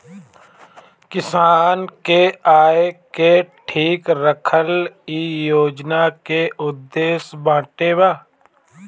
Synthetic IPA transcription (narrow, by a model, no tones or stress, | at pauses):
kɪsaːnkeaːekeʈʰiːkɾəkʰəlijoːd͡ʒnakeʔʊd̪ːeːsbãːʈeːbaː